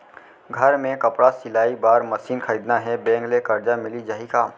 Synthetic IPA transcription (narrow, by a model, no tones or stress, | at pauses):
ɡʱɐɾmẽkɐpɽasɪlaːibaːɾmɐsiːnkʰəɾiːd̪naɦɛbɛ̃ːŋɡlekɐɾd͡ʒamɪlid͡ʒaːɦikaː